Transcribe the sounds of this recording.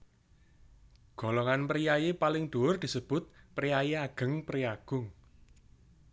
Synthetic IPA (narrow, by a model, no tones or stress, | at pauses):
ɡ̥o̤lɔŋanpəɾijajepalɪŋd̪̥o̤ʊrd̪̥i̤səb̥ʊt̪̚pɾiajeaɡ̥ə̤ŋpɾiaɡ̥ʊŋ